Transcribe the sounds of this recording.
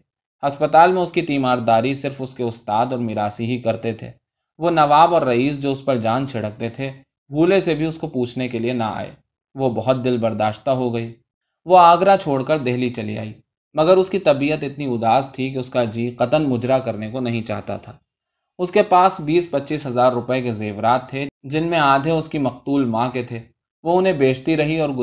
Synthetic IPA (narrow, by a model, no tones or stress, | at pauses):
ɐspət̪aːlmẽʊskit̪iːmaːɾd̪aːɾisɪɾfʊskeʊst̪aːd̪ɔːɾmɪɾaːsiɦikɐɾt̪et̪ʰḛː | ʋonɐʋaːbɔːɾːɐiːs̬d͡ʒoːʊspəɾd͡ʒaːnt͡ʃʰɪɽək̚t̪et̪ʰe | bʱuːlesebʱiʊskopuːt͡ʃʰnekeliena̰a̰ːḛː | ʋobɐɦʊt̪̚d̪ɪlbɐɾd̪aːʃt̪aɦoɡɐiː | ʋoaːɡɾat͡ʃʰoːɽkəɾd̪eɦlit͡ʃɐlḭa̰ːiː | mɐɡəɾʊskit̪ɐbiːət̪ɪt̪niʊd̪aːst̪ʰik̬eʊskad͡ʒiːqɐt̪ənmʊd͡ʒɾakɐɾnekonɐɦĩt͡ʃa̰ːɦt̪a̰t̪ʰaː | ʊskepaːsbiːspɐtːʃiːsɦɐzaːɾːʊpəekezeːʋɾaːt̪ʰːed͡ʒɪnmẽaːd̪ʱeʊskimɐq̚t̪uːlmãːket̪ʰeː | ʋoʊnɦẽbeːd͡ʒt̪iɾɐɦiɔːɾ